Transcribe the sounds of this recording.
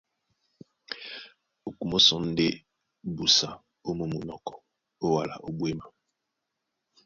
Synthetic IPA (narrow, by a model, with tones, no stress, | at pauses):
o˨ku˨mo˦sɔ˨˦n̩˦de˦ | bu˨sa˨ | o˦mo˦mu˨nɔ˨kɔ˨ | o˦wa˨la̰˨ʔo˦bwe˦ma˨